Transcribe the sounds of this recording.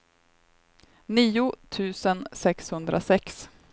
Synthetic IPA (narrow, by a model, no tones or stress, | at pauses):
niːʊt̪ʰʉ̟ːsənsɛkshɵnd̪ɾʔa̰sɛks